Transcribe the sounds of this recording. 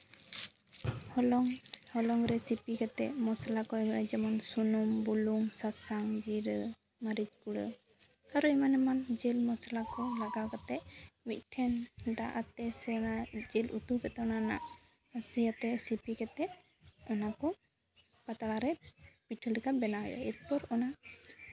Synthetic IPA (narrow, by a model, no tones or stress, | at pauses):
hɔlɔŋhɔlɔŋɾɛsipikɛt̪ɛʔmɔsalakɔɡɾɛd͡ʒɛmansunɔmbuluŋsasaŋd͡ʒiɾə | maɾid͡ʒkuɽə̰ | aɾuɛmanɛmand͡ʒɛlmɔsalakɔlaɡakɔt̪ɛʔmit̪̚ʈʰɛnd̪aʔat̪ːɛsɛnad͡ʒɛlut̪upɛt̪ɔnana̰ʔ | asijat̪ɛsipikɛt̪ɛʔ | ɔnakɔ | pat̪aɽaɾɛb̥iʈʰəlikabɛnaɔ̰ja̰it̪̚pɔɾɔna